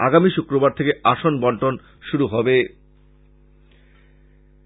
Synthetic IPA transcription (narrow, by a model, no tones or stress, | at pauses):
a̰ɡamiʃukɾobaɾt̪ʰekeaʃonbɔɳʈon | ʃuɾuɦɔbe